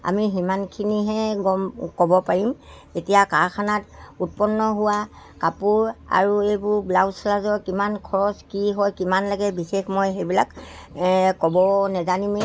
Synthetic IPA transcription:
a̰miɦimankʰiniɦɛɡɔmkɔbɔpaɹim | etijakaɹkʰanatut̚pɔnːɔɦʊwa | kapuɹa̰ɹuejbʊɹblawslazɔɹkimankʰɔɹɔskiɦɔjkimanlaɡɛbisexmojxebilak | kɔbɔnɛzanime

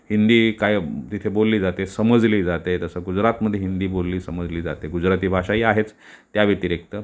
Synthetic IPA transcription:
hind̪iːkajt̪it̪ʰebolːiːd͡zat̪esəməd͡zliːd͡zat̪et̪əsəɡud͡zɾat̪məd̪ʱːjeɦind̪iːbolːiːsəməd͡zliːd͡za̰t̪eɡud͡zɾat̪iːbʱaʂaiːaɦet͡s | t̪ːjaʋet̪iɾek̚t̪ə

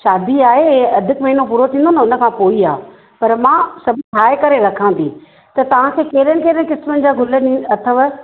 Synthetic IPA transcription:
ʃaːd̪iaːɦeɐd̪ʱɪkmɐɦinopuːɾot̪ʰĩːnd̪onɐʊnə̆kʰãːpoːiaː | pɐɾmãːsɐbʱʈʰaːɪkɐɾeɾɐkʰãːnd̪ḭː | t̪ɐt̪ɐʋ̤ãkʰeːkeːɾənɪ̆keːɾənɪkɪsmənɪ̆d͡ʑaːɡʱʊlənĩɐt̪ʰəʋə

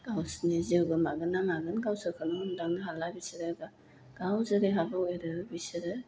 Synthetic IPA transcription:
ɡ̥awsneziwɡɯmaɡɯnːaŋaɡɯnɡawsɯkʰɯnondaŋnɯɦalabisiɾɯɡa | ɡ̥awzɯɾeɦabaojɾɯbisɯɾɯ

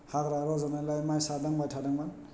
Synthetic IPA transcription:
haɡɾaɾɔzanalajmajsadaŋbajtʰadaŋban

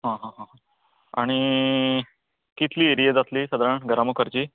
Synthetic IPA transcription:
ɦãɦãɦãɦ | a̰ɽ̃i | kit̪ʰliːeɾijed͡zat̪liːsəd̪ɾəɳɡəɾaməkʰəɾt͡ɕiː

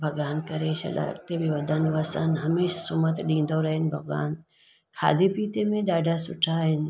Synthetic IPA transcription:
bʱɐɡaːnkɐɾeːʃɐ̰lʔɐ̰t̪ebʱiʋɐd̪ʱənʋɐsənɦɐmeːʃsʊmət̪ɗĩːnd̪oɾɐɦɪnɪ̆bʱɐɡʋa̰ːn | kʰa̰ːd̪ʱipiːt̪emẽɗaːɖʱasʊʈʰaɦɪnɪ̆

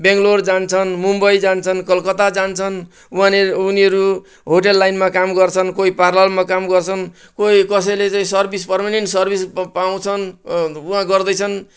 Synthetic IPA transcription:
beŋɡlord͡zant͡sʰʌnmumbʌjd͡zant͡sʰʌnkʌlkʌt̪ad͡zant͡sʰʌn | uɦãːniʌɾu | ɦoʈelːajnmakamɡʌrt͡sʰʌnkoiparlalmakamɡʌrt͡sʰʌn | koikʌs̬ʌjlet͡saĩsʌrbispʌrmaneɳʈsʌrbʱispaw̃t͡sʰʌnuɦãɡʌrd̪ʌjt͡sʰʌn

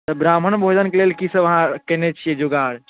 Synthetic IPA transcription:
t̪əbɾam̤ənbʱod͡ʒənkelelkisəʋəɦãkɛnɛt͡ʃʰijɛd͡ʒoɡaɽ

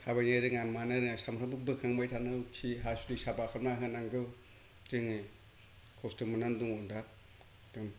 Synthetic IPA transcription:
habajneɾɯŋamanɯɾɯŋasamɾambɯbɯkʰaŋmajtʰanɯkʰiɦasulisabakʰɯmaɦɯnaŋɡɯw | tɯŋ | kʰɔstɯmːɯnanduŋɔnda | d̥ɯŋ

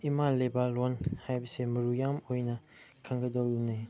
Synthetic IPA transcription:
imalebalɔnhajbɐsemɐɾujamojnɐ | kʰaŋɡədɔwunaj

